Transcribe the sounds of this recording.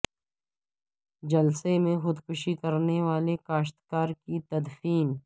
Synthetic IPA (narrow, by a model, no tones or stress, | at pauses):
d͡ʒɐlsemẽxʊd̪kʊʃikɐɾneʋaːlekaːʃt̪kaːɾkit̪ɐd̪fiːn